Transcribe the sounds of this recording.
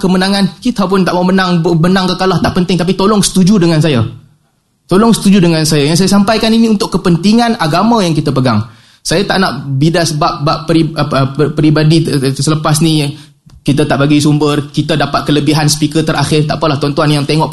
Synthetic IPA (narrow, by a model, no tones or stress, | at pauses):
kəmənaŋankit̪ap̬ʊnt̪aʔmaumənaŋbənaŋkəkalaht̪aʔpənt̪ɪŋt̪ap̬it̪olɔŋsə̥t̪ud͡ʒudəŋansaja | t̪olɔŋsə̥t̪ud͡ʒudəŋansajajaŋs̬ajasampajkaninĩunt̪ʊʔkːəpənt̪iŋanaɡamãjaŋkit̪əpəɡaŋ | sajat̪aʔnaʔbidasəbap̚bapːɾiəpəɾibadisələpasni | kit̪at̪aʔbaɡisumbərkit̪adapat̪̚kələbiɦansə̥pikət̪əɾʔaxɪrt̪a̰ʔpəlaht̪ɔnt̪uanjaŋt̪eŋɔʔ